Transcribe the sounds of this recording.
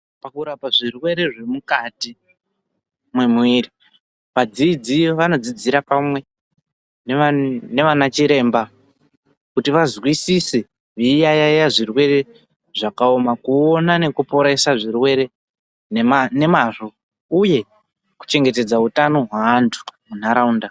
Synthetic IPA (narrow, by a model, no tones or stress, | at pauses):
pakuɾapaʐirwe̞ɾe̞ʐe̞mukati | mwe̞miɾi | ʋad͡ziːd͡zioʋano̞d͡zid͡ziɾapamwe̞ | nene̞ʋanat͡ʃiɾe̞ːmba | kutiʋazwisise | ʐiːjajajaʐirwe̞ɾe̞ | ʐakao̞makuonane̞kupo̞ɾaisaʐirwe̞ɾe̞ | ne̞maʐo̞ | uje̞ | ku̥t͡ʃe̞ŋɡe̞te̞d͡zautano̞ɦwaːntʰu̥mun̤aɾaunda